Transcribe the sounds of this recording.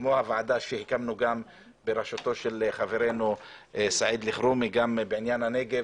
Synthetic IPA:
mohavaʕad̪aʃehikamnuɡam | beɾaʃot̪oʃelχaveɾenusaʕid̪liχɾumiɡambeʕinjanhane̞ɡev

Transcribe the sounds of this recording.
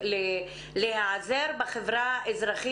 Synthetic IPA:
le | lehaʕzeɾbaχevɾaʔezɾaχi

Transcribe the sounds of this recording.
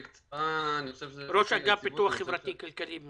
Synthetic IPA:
ɾoʃaɡapit̪uaχːevɾat̪ikalkalim

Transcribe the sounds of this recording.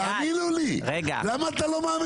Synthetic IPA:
amiluliɾɛɡa̰lamat̪alɔmami

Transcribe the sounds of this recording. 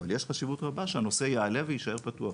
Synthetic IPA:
valjeʃχaʃivutʁabaʃehano̞sejeale̞vejiʃae̞patua

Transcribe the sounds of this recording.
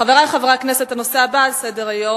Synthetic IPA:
χaveʁaleχavʁakneset̪ano̞seabalsedeʁajo

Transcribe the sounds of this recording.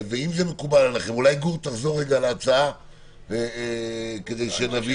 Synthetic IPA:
veimzeme̞kubalanaχemulajɡuʁt̪aχzo̞ʁːeɡalːt͡saa | ke̞d̪e̞jʃenavi

